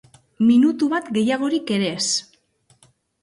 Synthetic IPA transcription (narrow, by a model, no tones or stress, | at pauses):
minut̪uβat̪ɡe̞jaɣ̞o̞ɾike̞ɾe̞s